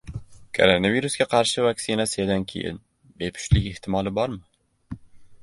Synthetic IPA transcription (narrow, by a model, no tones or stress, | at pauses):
kʰo̰ɾonaviɾusɡʲaqʰɑɾʃɪvaksɪnasɪjad̪ankʲʰejɪ̰n | bepʰʊ̥ʃlɪkʲɪht̪ʰɪmɒlˠɪbɒɾmɪ